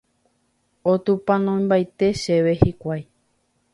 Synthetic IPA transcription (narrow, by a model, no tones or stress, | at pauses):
ot̪upãnõj̃mbajt̪e̞ʃe̞ʋe̞hikʷaj